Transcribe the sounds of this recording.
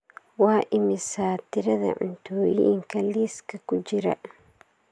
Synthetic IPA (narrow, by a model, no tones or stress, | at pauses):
wɑːʔɪmɪsaːt̪ɪɾɐðɐ̰ʕʊ̰nt̪ʰoːjiŋkʰɐliːskʰɐkʰʊd͡ʒɪɾɐ̰